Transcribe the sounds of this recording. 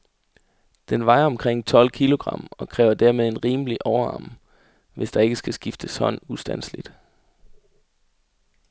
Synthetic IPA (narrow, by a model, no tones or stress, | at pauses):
d̥enʋɑ̈ɪɐɒ̽mkʰʁeŋ̰t͡sʰɒ̽l̰kʰilo̝ɡ̥ʁɑ̈m̰ɒ̽kʰʁɛːʊɐd̥æɐ̰með̞ˠe̝nʁiːməliʔɒʊɐɑ̈ːm | ʋe̝sd̥ɑ̈e̝ɡ̥əsɡ̥æsɡ̥ifd̥əshɒ̽nusd̥ænslid̥